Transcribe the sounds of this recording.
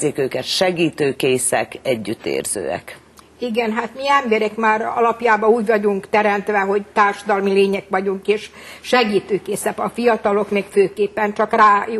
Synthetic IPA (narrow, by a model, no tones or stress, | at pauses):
eːkøːkɛt̪ʃɛɡiːt̪øːkeːsɛkɛɟːyt̪ːḛːrz̥ø̰ːɛ̰k | iɡɛnɦaːt̪miɛmbɛɾɛkmaːɾɒ̰lɒpjaːbɒuːɟvɒɟuŋkt̪ɛɾɛnt̪ʋɛɦo̞ɟt̪aːrʃɒd̪ɒlmileːɲɛkʋɒɟuŋkeːʃ | ʃɛɡiːt̪øːkeːsɛpɒfijɒt̪ɒlo̞kmeːkføːkeːpːɛnt͡ʃɒkraːj